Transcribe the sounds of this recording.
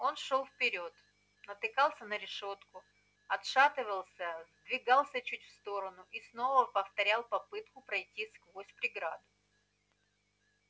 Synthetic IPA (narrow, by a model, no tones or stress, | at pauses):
o̞nʂo̞lˠfpʲɪɾʲo̞t̪ | nət̪ɨkalˠsʲənəɾʲɪʂo̞t̪kʊ | ɐt̪ʂat̪ɨvəlˠsʲəzd̪vʲɪɡɑlˠsʲət͡ɕutʲfst̪o̞ɾənʊʔisno̞vəpəft̪ɐɾʲalˠpɐpɨt̪kʊpɾɐjtʲːiskvosʲpɾʲɪɡɾad̪ʊ